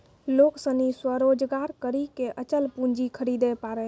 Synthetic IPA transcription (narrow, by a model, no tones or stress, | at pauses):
loksə̃niswəɾod͡ʒɡaɾkəɾikeʔət͡ʃəlpund͡ʒikʰəɾid̪epaɾɛ